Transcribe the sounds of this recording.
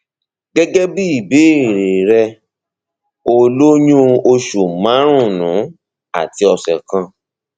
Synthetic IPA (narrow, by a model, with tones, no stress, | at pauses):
ɡɛ˦ɡɛ˦bi˦i˦˨be˨˦i˦˨ɾe˨ɾɛ˧ | o˧lo˦ɲũ˦o˧ʃu˨mã˨˦ɾ̃ũ˦˨nũ˨˦ | a̰˦˨ti˧˦ɔ˧sɛ˨kã˧